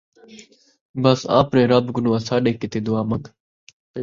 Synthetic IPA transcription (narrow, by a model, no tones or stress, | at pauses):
bəsã̰ːpɾẽːɾabɡʊnːãːsaːɗeːkɪt̪eːd̪ʊaːməŋɡ